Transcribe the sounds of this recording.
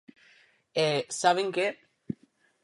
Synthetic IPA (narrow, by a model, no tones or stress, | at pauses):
esaβeŋke